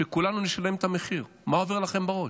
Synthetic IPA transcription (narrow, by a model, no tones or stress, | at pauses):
ekulanuniʃale̞mt̪ameχiʁ | maoveʁlaχe̞mbaʁo̞